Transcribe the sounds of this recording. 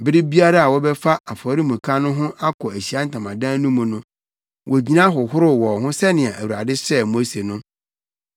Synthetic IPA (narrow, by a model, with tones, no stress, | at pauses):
bɪ˦ɾɪ˦bi˦a˦ɾa˦a˨wɔ˦bɛ˦fa˦ʔa˨fɔ˨˦ɾi˦mũ˨kʰã˦nʊ̃˦ɦʊ̃˦ʔa˦kʰɔ˨æ˨ɕi˨a˦n̩˨tʰã˨mã˨dã˦nũ˦mũ˨nʊ̃˦ | wʔɔ˨d͡ʑi˦nã˦ɦʊ˨hʊ˦ɾʊ˦wɔ˨ɦʊ̃˦sɛ˦nɪ̃˨a˨ʔæ˨wu˨ɾa˨dɪ˦sɛ˦mo˦se˨nʊ̃˦